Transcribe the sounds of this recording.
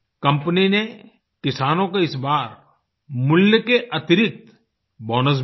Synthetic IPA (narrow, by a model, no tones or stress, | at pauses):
kɐ̃mpnine | kɪsaːnõkeɪsbaːɾ | mʊljəkeʔɐt̪ɪɾɪk̚t̪ | bɔːnəs̬